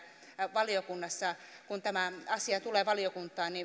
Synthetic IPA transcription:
ʋɑliokunːɑsːɑkunt̪æmæɑsiɑt̪uleːʋɑliokunt̪ˑɑːnni

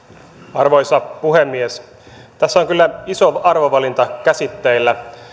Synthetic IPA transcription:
ɑrʋo̞jsɑpuɦemːies | t̪æsːæoŋkylːæiso̞ɑrʋoʋɑlint̪ɑkæsit̪ːeilːæ

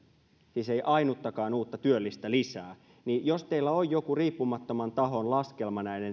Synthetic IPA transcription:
siːse̞jʔɑinut̪ːɑkɑːnuːt̪ːɑt̪yølːist̪ælisæː | nijost̪eilːæojːokuriːpːumɑt̪ːomɑnt̪ɑɦo̞nlɑske̞lmɑnæine̞n

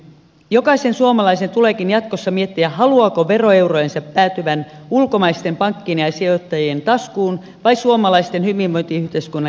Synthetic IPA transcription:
jo̞kɑise̞nsuomɑlɑise̞nt̪ule̞kinjɑt̪kosːɑmie̞t̪ːiæɦɑluɑko̞ʋe̞ro̞e̞wrojensɑpːæːt̪yʋæn | ulko̞mɑjst̪e̞mpɑŋkːiniɑsiot̪ːɑjient̪ɑskuːn | ʋɑjsuomɑlɑist̪e̞nhyʋimmojnt̪iyht̪eiskunːɑ

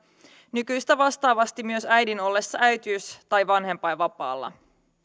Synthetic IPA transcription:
nykyjst̪æʋɑst̪ɑːʋɑst̪imyøsæjdino̞lːe̞sːɑʔæɥt̪iːst̪ɑjʋɑnɦe̞mpɑjʋɑpɑ̰ːlːɑ̰

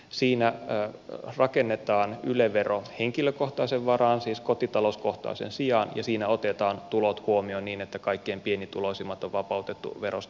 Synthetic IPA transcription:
siːnæ | rɑkenːet̪ɑːnyleʋeroheŋkiløkoht̪ɑiseʋʋɑɾɑːnsiːskot̪it̪ɑlosko̞ht̪ɑ̰ːsḛnsiɑnjɑ̰siːnæot̪et̪ɑːnt̪ulot̪huomioniːnet̪ːækɑikːeempienit̪ulosimːɑt̪oʋʋɑpɑut̪et̪ːṵʋeɾos

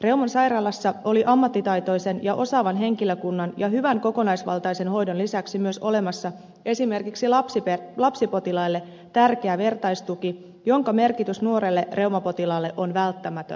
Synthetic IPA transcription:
re̞wmɑnsɑjɾɑlɑsːɑo̞liʔɑmːɑt̪ːit̪ɑjt̪o̞jse̞njɑʔo̞sɑːʋɑnɦe̞ŋkiløkunːɑnjɑɦyʋæŋko̞ko̞nɑjsʋɑ̰lt̪ɑjse̞nɦo̞jdonlisæksimyøso̞le̞mɑsːɑ | e̞sime̞rkiksiɑpsipelɑpsipo̞t̪ilɑjlːe̞ | t̪ærkeæʋe̞rt̪ɑjst̪uki | jo̞ŋkɑme̞rkit̪ysnuo̞ɾelːe̞re̞uwmɑpo̞t̪ilɑlːe̞ʔonʋælt̪ːæmæt̪ø̰n

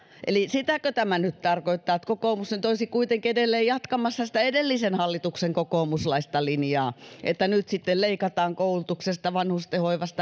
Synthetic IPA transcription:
ʔḛlisit̪ækøt̪æmænyt̪t̪ɑrkoit̪ːɑːt̪kokoːmusnnyt̪oisikuit̪eŋkiedelːeːjjɑt̪kɑmɑsːɑsĭ̥t̪æedelːisenhɑlːit̪ukseŋkokoːmuslɑist̪ɑlinjɑːʔḛt̪ːænyt̪sit̪ːelleikɑt̪ɑːŋkoulut̪uksest̪ɑʋɑnhust̪ehoiʋɑst̪ɑ

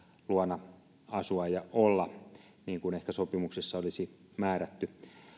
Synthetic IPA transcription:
luɑnɑ | ɑsuɑjɑʔolːɑ | niːŋkunehkæsopimuksesːɑolisi | mæːɾæt̪ːy

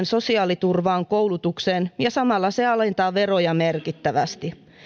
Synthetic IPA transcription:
nso̞siɑːlit̪urʋɑːŋkowlut̪ukseːnjɑsɑmɑlːɑseɑlent̪ɑːʋero̞jɑmerkit̪ːæʋæst̪i

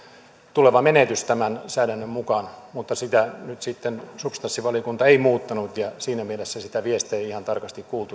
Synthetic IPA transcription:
t̪uleʋɑmenet̪yst̪æmænsæːdænːømmukɑnmut̪ːɑsit̪ænyt̪sit̪ːensupst̪ɑnsːiʋɑliokunt̪ɑeimuːt̪ːɑnut̪jɑsiːnæmielesːæsit̪æʋiest̪eːihɑnt̪ɑrkɑst̪ikkuːlt̪u

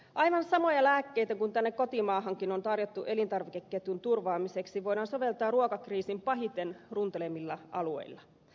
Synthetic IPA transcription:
ʔɑjʋɑnsɑmo̞jɑlæːkːejt̪ækunt̪ænːekko̞t̪imɑːɦɑŋkino̞nt̪ɑrjot̪ːuʔe̞lint̪ɑrʋikekːet̪unt̪urʋɑːmiseksiʋo̞jdɑːnso̞ʋe̞lt̪ɑːrruokɑkriːsimpɑɦit̪enrunt̪elemːilːɑɑluḛilːɑ

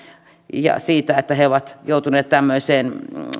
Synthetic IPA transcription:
jɑ̰siːt̪æet̪ːæheoʋɑt̪joˑut̪uneːt̪t̪æmːøiseːn

